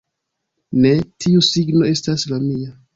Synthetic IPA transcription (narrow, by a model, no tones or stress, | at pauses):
ne̞tʰiusiɡnoe̞staslamia